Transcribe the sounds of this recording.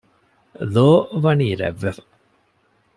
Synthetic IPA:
loːʋɐniːɾæ̰ʋːefɐ̥

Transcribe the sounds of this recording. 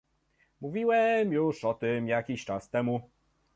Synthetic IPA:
muvʲiwɛmjuʂɔt̪ɘmjakʲiɕt͡ʂast̪ɛmu

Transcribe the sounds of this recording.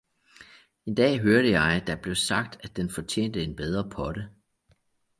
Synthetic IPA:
e̝nd̥ɛ̰ːɦøɐɾəjɑ̈ɪd̥æb̥le̝ʊsɑ̈ɡ̥̚d̥æd̥enfɒ̽t͡ɕʰjḛːnd̥əe̝nb̥eð̞ˠʁɐpʰɒ̽də

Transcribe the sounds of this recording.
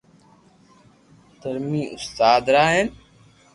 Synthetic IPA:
t̪əɾmiːʔʊst̪aːd̪ɾaːɦen

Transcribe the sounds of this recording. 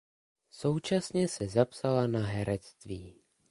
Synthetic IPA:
so̞wt͡ʃasɲɛsɛzapsalanaɦɛɾɛt͡st̪viː

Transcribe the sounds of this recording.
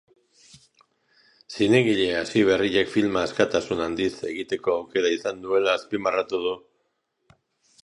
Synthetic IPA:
sine̞ɣiʎe̞asiβ̞e̞riʎe̞kfilmaeskat̪asunand̪ise̞̰ɣit̪e̞ko̞awke̞ɾaisand̪ue̞laːspimarat̪uð̞u

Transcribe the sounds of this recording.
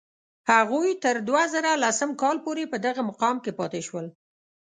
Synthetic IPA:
haɣujt̪əɾd̪wazəɾalasəmkɑlpoɾepəd̪aɣamaqɑmkepɑt̪eʃwəl

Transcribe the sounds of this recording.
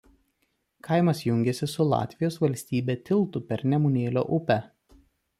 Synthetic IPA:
kʰɐɪmɐsjʊŋʲɡʲɛsʲɪsʊlˠɑ̰ːt̪ʲʋʲɪjoːsʋɐlʲsʲt̪ʲiːbʲeːt̪ʲɪlˠt̪ʊpʲɛɾnʲɛmʊnʲeːlʲo̰ːʔʊpʲɛ

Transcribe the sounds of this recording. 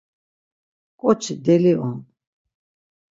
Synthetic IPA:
kʼɔt͡ʃʰid̪ɛliʔɔn

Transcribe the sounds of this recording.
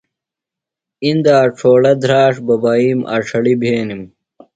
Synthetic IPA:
ind̪aːʈ͡ʂʰoːɽɐd̪ʱɾaːʂbɐbaːiːmʔa̰ʂʰɐɽibʱeːnim

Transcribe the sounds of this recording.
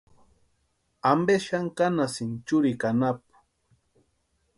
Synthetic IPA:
ambeʃaŋkanasɪnt͡ʃʊɾikanap̚ʊ̥

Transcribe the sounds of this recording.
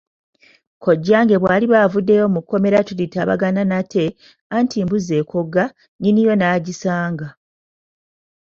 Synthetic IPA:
kʰo̞ɟːaːŋɡe̞βwaːliβavudːe̞jo̞mukːo̞me̞ɾatulitaːβa̰ɡananatʰe̞ | antʰiːmbuze̞kʰo̞ɡa | ɲinijo̞naːɟisaːŋɡa

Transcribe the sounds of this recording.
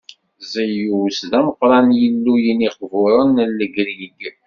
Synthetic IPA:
zəjuwsðæməqːɾˤɑnjəlːujəniqvʊɾˤənlːəɡɾiɡ

